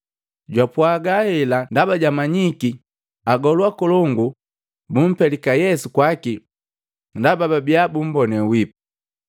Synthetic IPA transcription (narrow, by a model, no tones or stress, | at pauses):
ɟwapwaɡahɛlandabaɟamaɲiki | aɡɔlwakɔlɔŋɡu | bum̩pɛlikajɛsukwaki | ndabababiabum̩bɔnɛwipu